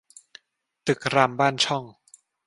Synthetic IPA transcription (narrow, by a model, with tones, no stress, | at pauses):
t̪ɯ˨˩k̚ɾaː˧mbaː˥˩nt͡ɕʰɔ˥˩ŋ